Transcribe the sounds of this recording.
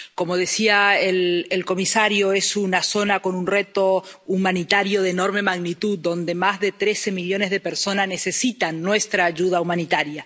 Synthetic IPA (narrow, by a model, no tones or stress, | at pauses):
ko̞mo̞ðe̞siaelelko̞misaɾjoe̞sunaso̞nako̞nunre̞t̪o̞umãnit̪aɾjo̞ð̞eno̞ɾme̞maɣnit̪uðːo̞nd̪e̞mazðe̞t̪ɾe̞semiʎo̞ne̞zðe̞peɾso̞nazne̞se̞sit̪anːwe̞st̪ɾaːʒuð̞aumanit̪aɾja